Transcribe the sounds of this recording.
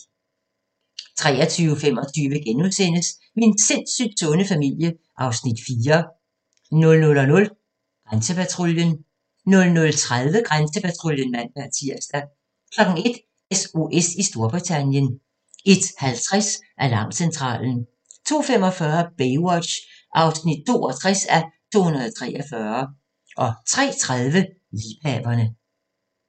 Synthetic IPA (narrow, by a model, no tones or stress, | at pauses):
t͡sʰʁɛ̰ːɐt͡sʰyːʊəfem̰ɒ̽t͡sʰyːʋəɡ̥enuðˠsen̰əs | mee̝nse̝n̰syd̥sɔ̽nəfæmil̰jə | ʔɑ̈ʊsnid̥fiːɐ | nɔ̽lnɔlɒ̽nɔ̽l | ɡ̥ʁansəpʰæt͡sʰʁoljən | nɔ̽lnɔ̽lt͡sʰʁaðˠʋəɡ̥ʁansəpʰæt͡sʰʁoljənmæn̰b̥æɐ̰t͡sʰiɐ̰sd̥æ | kʰlɒ̽ɡ̥ŋ̩e̝d̥ | eso̝ʔesisd̥o̝ɐb̥ʁit͡sʰænjən | e̝d̥hælt͡sʰʁasʔælɑ̈ʊ̰̥sent͡sʰʁɑ̰̈ːln̩ | t͡sʰo̝̰ːfem̰ɒ̽fɶɐb̥eɪɒ̥̽ɕ | ʔɑ̈ʊsnid̥̚t͡sʰo̝̰ːɒ̽t͡sʰʁɛsæt͡sʰo̝̰ːhunɐðˠɒt͡sʰʁɛ̰ːɒfɶːɐ | ʔɒ̽t͡sʰʁɛ̰ːt͡sʰʁað̞ˠʋə | liːpʰɛ̰ːb̥ɐnə